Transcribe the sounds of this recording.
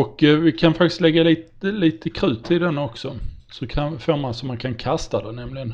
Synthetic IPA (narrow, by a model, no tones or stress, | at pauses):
ɔkːvɪkʰanfakt̪ɪst̪lɛɡːaliːt̪əliːt̪əkʰɾʉ̟ːt̪ʰːɪld̪ɛnːɔksɔsɔkʰanfoːɾmansɔmːankʰankʰast̪ad̪ɛnɛmlɪɡən